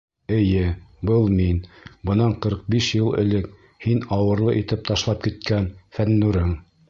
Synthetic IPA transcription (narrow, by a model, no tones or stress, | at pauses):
ɘ̆jɘbɤlˠminbɤ̆nɑɴqɤ̆ɾq̚biʃjɤlˠɘ̰̆lɘk̚ | hinɑwɤ̆ɾlˠɤʔit̪ɘp̚t̪ɑʃlˠɑp̚kit̪̚kænfænːʉɾɘŋ